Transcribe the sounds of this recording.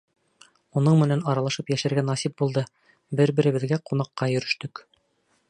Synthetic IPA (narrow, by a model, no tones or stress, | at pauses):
unɤɴmɘ̆nænɑɾɑlˠɑʃɤpjæʃæɾɡænɑsip̚bulˠd̪ɤ | bɘɾbɘ̆ɾɘ̆βɘ̆ðɡæqunɑqːɑjɵ̆ɾɵ̆ʃt̪ɵk